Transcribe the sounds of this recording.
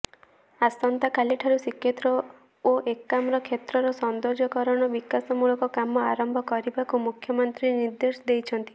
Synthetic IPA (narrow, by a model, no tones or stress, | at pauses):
asɔnt̪akʰaliʈʰaɾusikʰjet̪ɾɔ | oʔekːamɾɔkʰet̪ɾɔɾɔsɔnd̪ɔɾd͡ʒɔkɔɾɔɽ̃ɔbikasɔmuɭɔkɔkamɔaɾɔmbʱɔkɔɾibakumukʰjɔmɔnt̪ɾiniɾd̪esɔd̪ejt͡ʃʰɔnt̪i̥